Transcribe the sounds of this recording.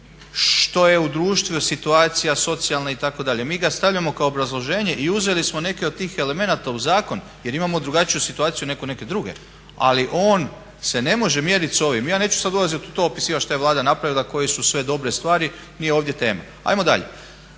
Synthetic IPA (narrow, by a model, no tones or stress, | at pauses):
ʃt̪o̞je̞ud̪ɾuːʃt̪ʋusit̪uaːt̪sijaso̞t̪sijalˠnait̪ako̞d̪aʎe̞miːɡast̪aʋʎamo̞kaoːbɾazlˠo̞ʒe̞ːɲe̞ʔiuze̞lismo̞ne̞keod̪̚t̪iːxe̞le̞me̞nat̪auzaːko̞n | je̞ɾimamo̞d̪ɾuɡat͡ʃijusit̪uaːt̪sijune̞kune̞ke̞d̪ɾuɡe̞̰ | a̰liʔo̞ːn | se̞ne̞mo̞ʒe̞mje̞ːɾit̪so̞ʋimijaːne̞ːt͡ʃu̥sad̪ulazit̪ut̪o̞opisiːʋaʃt̪ajeʋlaːd̪anapɾaʋilˠako̞jesusʋe̞d̪o̞bɾe̞st̪ʋaːɾi | nijeoʋd̪ʲje̞t̪e̞ːma̰ | a̰jmo̞d̪a̰ʎḛ